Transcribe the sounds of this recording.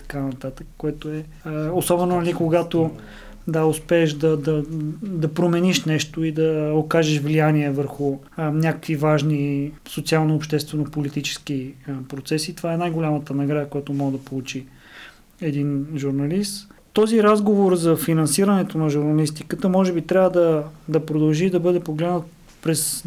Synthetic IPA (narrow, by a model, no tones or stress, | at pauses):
t̪ɐ̥kanɐt̪at̪əkkːoɛt̪oɛ | osɔbɛnonɐlikoɡat̪o | d̪aʊspɛːʃd̪ɐd̪ɐd̪ɐpɾomɛniʃnɛʃt̪oid̪ɐokaʒəʃvlijaniɛvəɾxʊ | nʲakə̥kvivaʒnisot̪sialˠnoːpʃt̪ɛst̪vɛnopolit̪it͡ʃɛ̥skipɾot̪sɛsit̪ovaɛnajɡolʲamət̪ənɐɡɾad̪əkojat̪omɔɡəd̪ɐpolˠut͡ʃi | ɛd̪inʒuɾnɐlist̪t̪ɔziɾazɡovoɾzɐfinɐnsiɾɐnɛt̪onɐʒuɾnɐlist̪ikət̪əmɔʒɛbit̪ɾʲavəd̪ɐd̪ɐpɾod̪ɐlˠʒid̪ɐbɤd̪ɛpoɡlɛd̪nət̪ | pɾɛs